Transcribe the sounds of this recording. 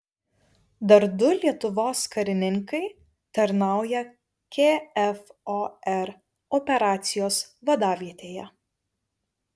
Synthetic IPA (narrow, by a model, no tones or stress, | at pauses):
d̪ɐɾd̪ʊlʲiɛt̪ʊʋoːskɐɾʲɪnʲɪŋkɐɪ | t̪ɐɾnɑˑʊjɛ | kʲeːɛfoɛɾ | ɔpʲɛɾɑːt̪sʲɪjoːsʋɐd̪ɑːʋʲiɛt̪ʲeːjɛ